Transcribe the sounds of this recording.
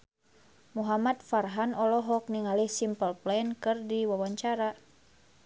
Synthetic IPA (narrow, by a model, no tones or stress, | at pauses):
muɦamat̪̚farɦanɔlɔɦɔk̚niŋalihsimpəlplɛnkɨrdiwawaɲt͡ʃaɾa